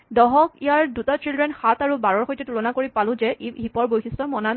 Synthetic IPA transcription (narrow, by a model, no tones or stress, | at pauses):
dɔɦɔkijaɹdutatɹilɹɛnxataɹubaɹɔɹxojtɛtulɔnakoɹipalʊ̃zɛʔɦipɔɹbojxʰistɔmɔna